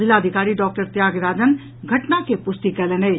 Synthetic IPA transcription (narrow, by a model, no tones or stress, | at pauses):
zɪlaːd̪ʱikaːɾiɖɔːk̚ʈəɾt̪jaːɡɾaːd͡ʒən | ɡʱɐʈnakepʊst̪ikɛleneː